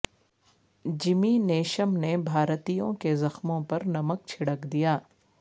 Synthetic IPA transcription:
d͡ʒɪmineːʃəmnebʱaːɾt̪ijõ̰kezɐxmõpɐɾnɐmək̚t͡ʃʰɪɽəkd̪ijaː

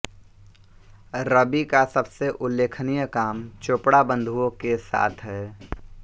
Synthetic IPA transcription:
ɾəbikasəbseʔʊlːeːkʰnijəkaːmt͡ʃoːpɽabə̃nd̪ʱuõkesa̰ːt̪ʰɦɛː

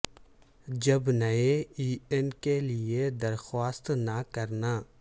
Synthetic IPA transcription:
d͡ʒɐbnəeiːenkelɪed̪ɐɾxwaːst̪nakɐɾnaː

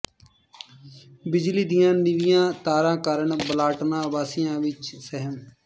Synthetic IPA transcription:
bɪd͡ʒliːd̪ijãːnɪʋijãːt̪aːɾãːkəɾəɳbəlaːʈnãːbaːsijãːʋɪt͡ʃsəɦəm

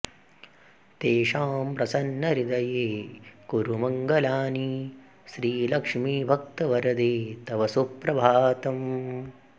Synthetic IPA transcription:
t̪eːʃaːmpɾɐsɐnːɐɾid̪ɐjeːkuɾumɐŋɡɐlaːni | ʃɾiːlɐkʂmiːbʱɐk̚t̪ɐʋɐɾɐd̪eːt̪ɐʋɐsupɾɐbʱaːɐt̪ɐm

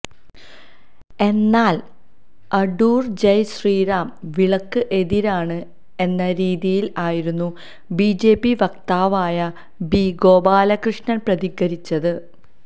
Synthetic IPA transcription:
e̞nːaːl | ɐɖuːrd͡ʑɐjɕriːɾaːmʋiɭɐkːɨʔe̞ðiɾaːɳɨ | e̞nːɐɾiːðijilaːjiɾunːu | biːd͡ʑe̞ːpːiʋɐkt̪aːʋaːjɐ | biɡo̞ːbaːlɐkrɨʂɲɐnprɐðiɣɐɾit͡ɕːɐðɨ

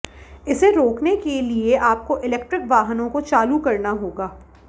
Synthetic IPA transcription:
ɪseɾoːknekelieʔaːp̚koʔɪlɛːk̚ʈɾɪkʋaːɦnõkot͡ʃaːlukɐɾnaɦoːɡaː

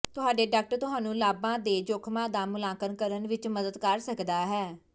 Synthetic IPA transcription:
t̪ʊɦaːɖeːɖaːk̚ʈəɾt̪ʊɦaːnũːlaːbãːd̪eːd͡ʒʊkʰmãːd̪aːmʊlaːkənkəɾənʋɪt͡ʃməd̪əd̪kəɾsəkd̪aːɦɛː

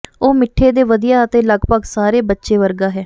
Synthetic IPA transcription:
oːmɪʈʰːeːd̪eːʋəd̪ijaːət̪eːləɡpəɡsaːɾeːbətːʃeːʋəɾɡaːɦɛː

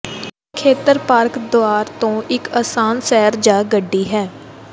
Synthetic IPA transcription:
kʰeːt̪əɾpaːɾkd̪oaːɾt̪õːʔɪkaːsaːnsɛːɾd͡ʒaːɡəɖːiːɦɛː

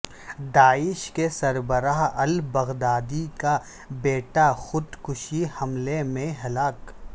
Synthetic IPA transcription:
d̪aːɪʃkesɐɾbəɾaːɦɐlbɐɣd̪aːd̪ika | beːʈaxʊd̪kʊʃihɐmlemẽɦɐlaːk

